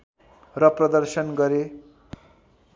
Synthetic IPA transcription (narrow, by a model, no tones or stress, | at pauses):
rʌprʌd̪ʌrsʌnɡʌɾe